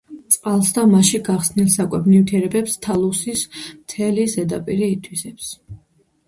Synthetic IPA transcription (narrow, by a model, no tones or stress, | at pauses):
t̪sʼqʼalˠsd̪amaʃiɡaχsnilˠsakʼwɛbnivt̪ʰiɛɾɛbɛpst̪ʰalˠusismt̪ʰɛlizɛd̪apʼiɾiːt̪ʰwisɛps